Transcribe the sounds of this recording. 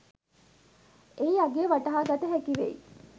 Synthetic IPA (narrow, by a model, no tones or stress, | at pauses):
eiaɡeʋaʈəɦaːɡat̪əɦækiʋḛḭ